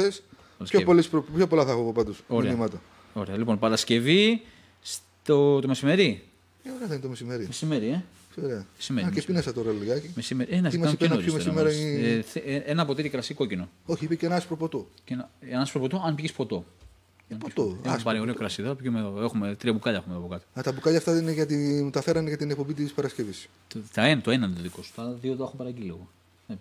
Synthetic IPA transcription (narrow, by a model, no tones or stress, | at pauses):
es | pɐlɐsçoepolispɾoppçopolɐθɐxopopɐd̪usoɾeɐnimɐt̪ɐ | o̞ɾeɐlipo̞npɐɾɐsce̞vi | s | t̪ot̪ome̞sime̞ɾi | eoɾeɐðeint̪mesimeɾimesime̞ɾie | soɾeɐme̥simeikepinesɐt̪oɾɐliɣɐcimesimeɾieneimɐenot̪iosmeimeɾoiθenɐːpo̞t̪it̪ikɾɐsiko̞cino̞oçiipecenɐspɾopot̪ocenɐenɐspɾopot̪oɐnpʝispo̞t̪o̞ | npot̪oepɐɾioɾeokɾɐsiðopʝimeoexumet̪ɾiɐbukaʎɐe̞xumeoɐpokɐt̪i̥ɐt̪ɐbukɐʎɐft̪ɐineʝɐt̪it̪ɐfeɾɐneʝɐt̪inek̚po̞bit̪̬ispɐɾɐsce̞vis | θɐent̪oenɐnoðikosu̥t̪ɐðioðoɐxopɐɾɐɟiliɣo | e